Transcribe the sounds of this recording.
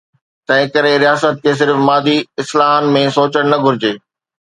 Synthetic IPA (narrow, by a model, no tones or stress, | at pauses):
t̪ɐ̃ɦɪ̃kɐɾeɾijaːsət̪̚kʰeːs̬ɪɾfmaːd̪iɪslaːɦənmẽsoːt͡ɕəɽ̃nɐɡʱʊɾɪd͡ʑeː